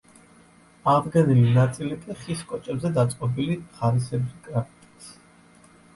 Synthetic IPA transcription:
aʁd̪ɡɛnilinat̪sʼilik̪ʼiχiskʼɔt͡ʃʼɛbzɛd̪at̪sʼqʼɔbiliʁaɾis̬ɛbikʼɾapʰit̪ʼi̥s

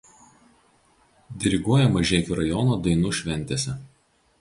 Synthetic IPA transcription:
d̪ʲɪɾʲɪɡuɔjɛmɐʒʲɛːkʲuɾɐjɔnoːd̪ɐɪnuːʃʲʋʲɛnʲt̪ʲeːsʲɛ

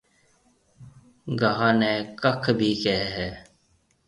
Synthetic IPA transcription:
ɡəɦãːneːkəkʰbʱiːkɛɦɦɛː

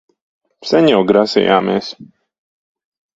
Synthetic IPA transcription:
saɲɛwɡɾasḭjaːmeːs

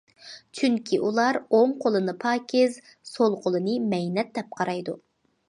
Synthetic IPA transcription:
t͡ʃʰyŋkʲʰiʔulˠɑɾomqʰolˠɨnɨpʰɑːkʲʰɪz | solˠqʰolˠɨnɨmɛjnɛt̪̚d̪ɛp̚qʰɑɾɑjd̪u

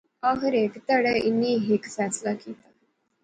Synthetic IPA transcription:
aɦəɾekt̪əɽəinːiːɦeksat͡slakit̪a

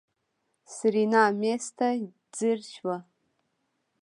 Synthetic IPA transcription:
sɨrinaːmestʰa | d͡zɨrʃwa

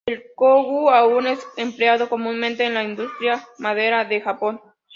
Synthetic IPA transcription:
elkoɣuaune̞sempleaðo̞ko̞mũnmẽnt̪e̞ːnlaind̪ust̪ɾjamað̞e̞ɾaðe̞xapo̞n

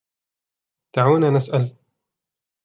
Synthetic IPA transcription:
t̪aʕuːnaːnasʔal

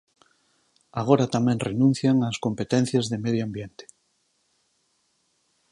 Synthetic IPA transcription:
aɣ̞oɾat̪amɛ̃ŋrenũn̟θjaŋaskompet̪ɛn̟θjazðemeðjoambjent̪e̥

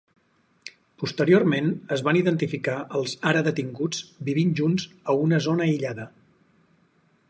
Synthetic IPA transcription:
pust̪əɾiormenəzβaniðənt̪ifikaəlˠzaɾəðət̪iŋɡud͡zbiβ̞inʒunzəunəzonəiʎaðə

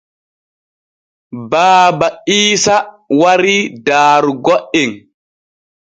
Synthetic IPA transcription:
baːbaiːsa | waɾidaːɾɡoʔin

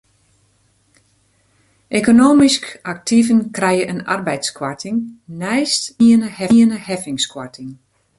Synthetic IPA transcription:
ʔekonoːmiskak̚tʰivənkrɛjəʔəna̰rbɛjtskwartʰɪŋnɛjstiənəhɛənəhɛfɪŋskwartʰɪŋ

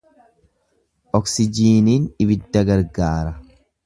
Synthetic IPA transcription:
ʔɔksɪd͡ʒiːniːnɪbɪd̪ːɐɡɐɾɡaːɾɐ

